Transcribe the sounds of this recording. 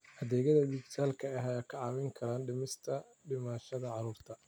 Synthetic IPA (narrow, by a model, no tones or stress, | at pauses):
ʔɐðɛːɣɐðɐd̪ɪɡsaːlkʰɐɛɦɐjaːkʰɐʕɑːwɛŋkʰɐɾaːnɖɪmɪst̪ʰɐ | ɖɪmaːʃɐðɐʕɑɾuːrt̪ʰɐ